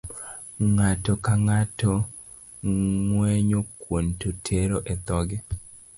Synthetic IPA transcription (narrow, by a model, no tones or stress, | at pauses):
ŋatɔkaŋatɔ | ŋwɛɲokwontotʰeɾoʔɛt̪ɔɡɛ